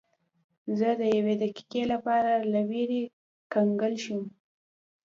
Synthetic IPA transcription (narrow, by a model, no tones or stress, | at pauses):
zəd̪əjawed̪aki̥kelapɑɾalaweɾe | kaŋɡəlʃəm